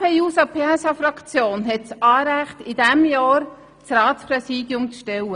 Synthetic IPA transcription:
hɛjuːsɑpʰeːɛsɑfɾɑkt͡sjoːnɦɛt̚t͡sɑːɾæχtidɛmjɑːɾ | t͡srɑːtspɾɛsiːdjʊmt͡sʃtɛwə

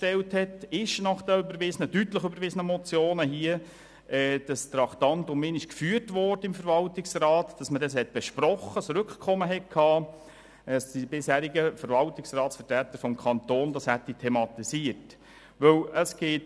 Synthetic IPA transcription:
ʃtɛlthɛtɪʃnɑχd̥əybəɾvɪsənədytləχybəɾʋɪsənəmɔt͡sjoːnəɦiə | ʔɛːd̥ɑst̪ɾɑktɑntʊmmɪnɪʃkfyːrtvɔːrdəɪmfəɾvɑltɪksrɑːtd̥ɑsmədɛs̬hɛt̚b̥ɛʃpɾɔχəsɾʏkχkʰɔməɦɛt̚kʰhɑː | əsd̥ibɪshæːɾɪɡəfəɾvɑltɪksrɑːtsfətɾæt̪ːəɾfɔmkʰɑnt̪oːnd̥ɑshætːitʰɛmɑt̪isiət | ʋɵwəsɡ̥eːt

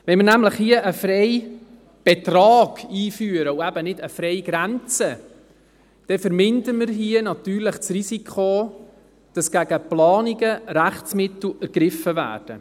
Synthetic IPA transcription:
ʋɛnmɪɾnæmləχhiəʔəfrɛj | b̥ɛt̪rɑːɡ̥iːfyːəɾəuæbənɪdəfɾɛɪɡ̥ɾænt͡sə | d̥ɛfəɾmɪndəməɾɦiənɑt̪yːɾləχt͡srisikʰχo | d̥ɑsɡ̥æɡəplɑːniɡəɾæχt͡smɪt̪l̩æɾɡ̥ɾɪfəvæ̰ːɾd̥ə

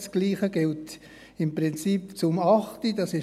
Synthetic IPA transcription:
sɡ̥liːχəɡɪlt | ɪmpʁɪnt͡sipt͡sʊmɑχtidɑsɪ

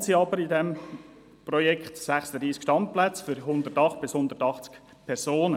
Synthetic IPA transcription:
tsiɑbəɾɪdɛm | prɔjɛkχtsæχsəd̥̪ɾiːskʃtɑnplæt͡sfʏɾɦʊnd̪ətɑχt̪̚b̥ɪshʊnd̪ətɑχt͡sk | pʰɛɾsoːnə

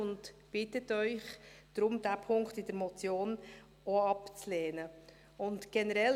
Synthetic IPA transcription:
ʊntb̥ɪtətœʏχd̥ɾʊmd̥æpʰʊŋktɪd̥əɾmɔt͡sjoːn | oɑpt͡sleːnə | ʊntɡ̥ɛnəɾɛl

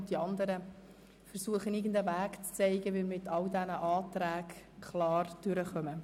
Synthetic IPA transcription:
diɑnd̪əɾə | fəɾsuəχənɪɡən̩d̪əvæːkt͡st͡seɪɡəʋɪlmɪtʰɑldɛnəʔɑːtɾæːkkʰlɑːrd̥ʏɾəχœmə

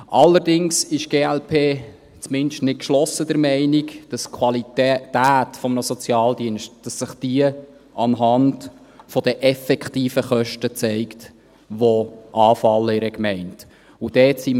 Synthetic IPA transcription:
ʔɑlːəɾdɪŋsɪʃɡ̥eːɛlpʰeː | t͡smɪndʃtnɪt̚kʃlɔsəd̥əɾmɛɪnikd̥ɑskʰwɑlittæːtfɔmənəsɔt͡sjɑːld̪iənʃt̚d̥ɑsːəχd̥iə | ɑnɦɑnd | fɔd̥əʔɛfɛkχtiːfəχœʃtət͡sɛɪkt | ʋoʔɑːfɑlːəɪɾɛkmɛɪnt | ʊd̥ɛːtsi

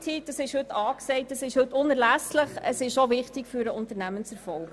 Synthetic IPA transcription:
tʰiːtdɑsɪʃhɵtʰɑːksɛɪt̚dɑsɪʃhɵtːʊnəɾlæsləχəsɪʃovɪχtɪkfyːɾəʊntəɾnæmənt͡sɛɾfɔlɡ

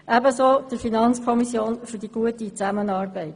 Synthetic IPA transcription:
ʔæbəsoːd̥əfinɑnt͡skʰɔmisjoːnfyɾd̥iɡ̥uətit͡sæmənɑːrbɛɪt

